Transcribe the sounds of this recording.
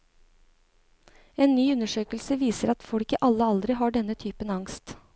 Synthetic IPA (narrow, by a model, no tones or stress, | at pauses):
eːnːyːʉnəʂøːkəlsəʋiːsəɾɑt̪fɔɽkəʔɑlːəɑld̪ɾɪɦɑːɖɛnːət̪ʰyːpənːɑŋst̪